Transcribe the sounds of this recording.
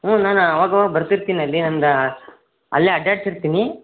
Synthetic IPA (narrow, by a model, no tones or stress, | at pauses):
ɦõːnaːnɐʋaːɡɐʋaːɡɐbɐɾt̪iɾt̪iːniɐlːinɐnd̪ɐ | ɐ̰lːiɐɖjaːʈsiɾt̪iːni